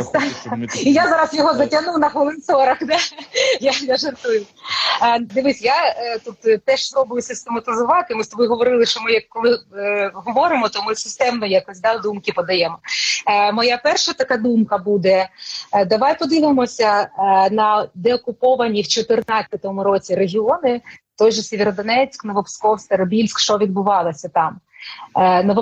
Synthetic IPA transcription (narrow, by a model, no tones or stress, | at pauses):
ijazɑɾɐsjɔɦɔzɐtʲɐnuwnɐxɐlˠɪnsɔɾɐxd̪ajajaʒɐrt̪ujʊ | d̪ɪʋɪsʲjat̪ut̪t̪ɛʃsɾɔbʊjʊsɪst̪emɐt̪ɪzʊʋɑt̪ɪmɪst̪ɔbɪɦɔʋɔɾɪlˠɪʃt͡ʃɔmɪjɐkːɔlˠɪɦɔʋɔɾɪmɔt̪ɔmɪsɪst̪ɛmnɔjakɔsʲd̪ad̪umkɪpɔd̪ɐjɛmɔ | mɔjapɛrʃɐt̪ɐkad̪umkɐbud̪ɛd̪ɐʋajpɔd̪ɪʋɪmɔsʲɐnɐd̪ɛɔkʊpɔʋɐnʲiwt͡ʃɔt̪ɪrnat͡sʲɐt̪ɔmʊɾɔt͡sʲiɾeɦʲiɔnɪt̪ɔjʒɛsʲeʋʲeɾɔd̪ɔnɛt͡sʲknɔʋɔpskɔwst̪eɾɐbʲilʲsʲkʃt͡ʃɔʋʲid̪̚bʊʋɑlˠɐsʲɐt̪ɑm | nɔʋɔ